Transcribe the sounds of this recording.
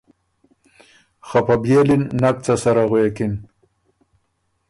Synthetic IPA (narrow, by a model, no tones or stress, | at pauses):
xapabjelinːak̚t͡sasaɾaɣwekin